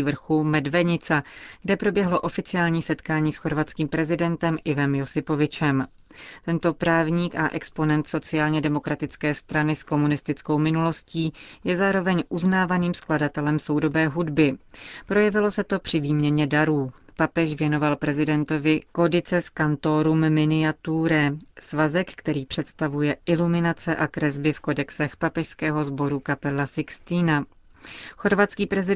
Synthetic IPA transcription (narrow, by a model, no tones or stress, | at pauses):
vr̩xumɛdvɛɲɪt͡saɡ̥dɛpɾo̞bjɛɦlo̞ʔo̞fɪt͡sɪaːlɲiːsɛt̪kaːɲiːsxo̞ɾvat̪t͡skiːmpɾɛzɪdɛnt̪ɛmʔɪvɛmjo̞sɪpo̞vɪt͡ʃɛm | t̪ɛnt̪o̞pɾaːvɲiːkaʔɛkspo̞nɛnt̪so̞t͡sɪaːlɲɛdɛmo̞kɾat̪ɪt͡skɛːst̪ɾanɪsko̞munɪst̪ɪt͡sko̞wmɪnulo̞sciːjɛzaːɾo̞vɛɲʔuznaːvaniːmskladat̪ɛlɛmso̞wdo̞bɛːɦudbɪpɾo̞jɛvɪlo̞sɛt̪o̞pr̝̥ɪviːmɲɛɲɛdaɾuːpapɛʃvjɛno̞valpɾɛzɪdɛnt̪o̞vɪko̞dɪt͡sɛskant̪o̞ːɾumːɪnɪat̪uɾɛsvazɛkkt̪ɛɾiːpr̥ɛt̪st̪avujɛʔɪlumɪnat͡sɛʔakɾɛzbɪfko̞dɛksɛxpapɛʃskɛːɦo̞zbo̞ɾukapɛlːasɪkst̪iːna | xo̞ɾvat̪t͡skiːpɾɛzɪ